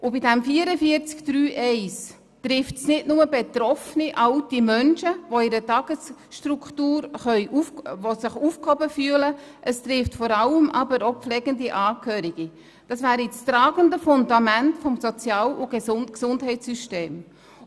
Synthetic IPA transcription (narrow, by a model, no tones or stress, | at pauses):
ʔʊbɪdɛmfiːəɾəfiəɾt͡skd̥ɾyːʔɛɪs | tɾɪftsnɪdnʊməbet̪rɔfniʔɑltimœnʃəʋoɪɾətɑɡ̥əsʃtruktuːɾχœʏʔuvosɪχufkhɔbəfyːələʔəstɾɪftfɔɾɑləmʔɑ̰bəɾopflɛɡ̥əndiʔɑːkʰhøːɾiɡ̥i | d̥ɑsvæːɾit͡stɾɑːɡ̥əndəfʊndɑmæntfɔmsɔt͡sjɑːlʊɡ̥esʊnksʊndɦɛɪt͡sːyʃteːm